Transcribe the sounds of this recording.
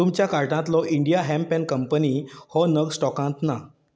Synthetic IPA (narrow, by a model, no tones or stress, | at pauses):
t̪umt͡ɕjakaɾʈãt̪lɔʔiɳɖijaɦɛ̃mpɛ̃nkəmpənihɔnəɡsʈɔkãt̪na